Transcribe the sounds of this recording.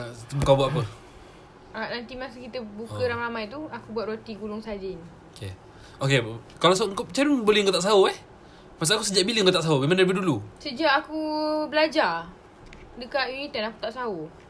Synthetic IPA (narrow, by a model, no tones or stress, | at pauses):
ukawbat̪apə | anant̪imasukit̪əbukəɾaŋramajt̪uakubwat̪̚ɾot̪iɡulʊŋsad͡ʒɪŋokḛ | oke | kalaws̬aŋkop̚t͡ʃaɾunbolɛŋkoʔt̪aʔs̬aoɛh | pas̬aakusəd͡ʒaʔbilɪŋkoʔt̪aʔsaobimaŋnələbədulusəd͡ʒaʔakubəlad͡ʒa | dəkaʔjunit̪anaku̥t̪aʔsao